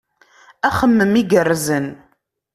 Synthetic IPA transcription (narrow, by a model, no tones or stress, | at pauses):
æχəmːəmiɡərːzən